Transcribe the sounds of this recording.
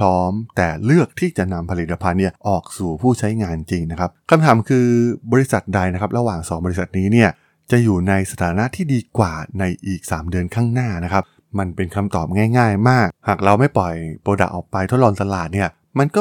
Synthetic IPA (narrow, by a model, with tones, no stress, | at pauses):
pʰɔː˦˥mt̪ɛː˨˩lɯ˥˩ək̚t̪ʰiː˥˩t͡ɕa˨˩na˧mpʰa˧li˨˩t̪ːa˧pʰa˧nːi˥˩ɐʔɔː˨˩k̚suː˨˩pʰuː˥˩t͡ɕʰa˦˥jŋaː˧nt͡ɕi˧ŋna˦˥kʰa˦˥p̚kʰa˧mt̪ʰaː˩˦mkʰɯː˧bɔː˧ɾi˧˥sa˨˩t̪̚da˧jna˦˥kʰa˦˥p̚ɾa˧waː˨˩ŋsɔː˩˦bɔ˧li˧˥sa˨˩t̪̚niː˦˥ni˥˩ɐ | t͡ɕa˨˩juː˨˩na˧jsa˧t̪ʰaː˨˦na˦˥t̪ʰiː˥˩diː˧kwaː˨˩na˧jʔiː˨˩k̚saː˩˦mdɯ˧ənkʰaː˥˩ŋnaː˥˩na˦˥kʰa˦˥p̚ | ma˧npe˧nkʰa˧mt̪ɔː˨˩p̚ŋaː˥˩jŋaː˥˩jmaː˥˩k̚haː˨˩k̚ɾa˧wma˥˩jpɔ˨˩jpoː˧da̰˨˩ʔɔː˨˩k̚pa˧jt̪ʰt̪̚lɔː˧nt̪a˧laː˨˩t̪̚ni˥˩ɐ | ma˧nkɔ˥˩